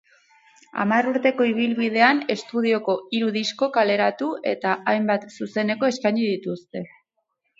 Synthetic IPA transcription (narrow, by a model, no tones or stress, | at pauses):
a̰maruɾt̪e̞ko̞iβ̞ilβið̞e̞ane̞st̪uð̞io̞ko̞iɾuðisko̞kale̞ɾat̪ue̞t̪aajmbat̪suse̞ne̞ko̞e̞skajɲið̞it̪ust̪e̞